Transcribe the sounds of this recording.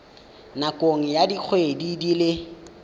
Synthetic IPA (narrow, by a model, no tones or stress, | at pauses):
nakʼoŋ̩jadik͡xʰwedidilɪ